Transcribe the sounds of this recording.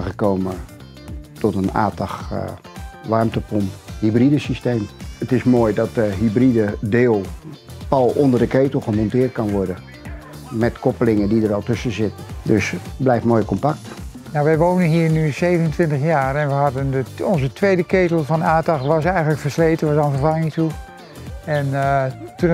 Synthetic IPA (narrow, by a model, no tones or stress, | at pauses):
χəkowmə | tɔtəna̰ːtɑχ | ʋɑɹmtəpɔmhibridəsisteːmətɪsmoːjdɑt̚dəɦybridədɪːlˠpɑlˠɔndərdəkeːtəlˠχəmɔntɪːrt̚kɑnʋɔrdə | mɛtkʰɔpəlɪŋədidərɔlˠtɵsəzɪtədøsblɛjftmoːjəkɔmpak̚t | nawʋɛjʋownənɦiːɹnysejvənəntʋɪntəxjaːrɛnʋəɦɑdəndəɔnzətʋejdəketəl̩ˠfɑnaːtɑxʋɑsɛjχənləkfərsleːtənʋɑsanfərvɑŋɪŋtu | ɛntun